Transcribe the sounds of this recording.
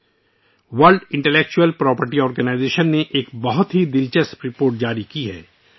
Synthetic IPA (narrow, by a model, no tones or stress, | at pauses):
ʋɐlɖɪ̃ɳʈeleːk̚t͡ʃuəlpɾɔːpəɾʈiɔːɾɡənaːɪzeːʃənːeʔeːkbɐɦʊt̪ɦid̪ɪlt͡ʃəsɾɪpoːɾʈ̚d͡ʒaːɾikiɦɛ̰ː